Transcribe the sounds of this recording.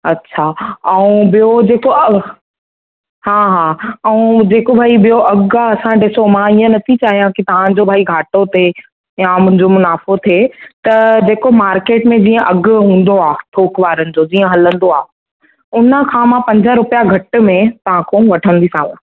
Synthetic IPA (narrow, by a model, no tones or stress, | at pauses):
ɐtːɕʰaɛ̃ũbijod͡ʑeːkoɐ | hãːɦãːɛ̃ũd͡ʑeːkobʱaːibijoʔɐɡɐsãɖɪsomãiːə̃nɐt̪ʰit͡ɕaːɦijãkit̪ɐʋ̤ãd͡ʑobʱaːiɡʱaːʈot̪ʰe | jamʊ̃ɦɪ̃ɲd͡ʑomʊnaːfot̪ʰeːt̪ɐd͡ʑeːkomaːɾkeːʈmẽd͡ʑiːə̃ʔɐɡɦũːn̆d̪oaːʈʰoːkʋaːɾənɪ̆d͡ʑod͡ʑiːə̃ɦɐlə̃nd̪oaː | ʊnə̆kʰãmãpɐ̃ɲd͡ʑəɾʊpjaɡʱɐʈ̆mẽt̪ɐʋ̤ãkʰõʋɐʈʰə̃nd̪isã̰ːŋɡã